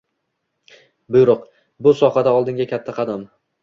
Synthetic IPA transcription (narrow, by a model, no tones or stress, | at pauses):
bɪjɾoq | bʊsɒhad̪aɒlˠd̪ɪŋɡʲakʲʰat̪ʰːaqʰɑd̪am